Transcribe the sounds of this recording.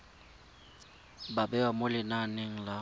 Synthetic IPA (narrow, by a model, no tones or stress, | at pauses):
babɛwamʊlɪnaneŋ̩la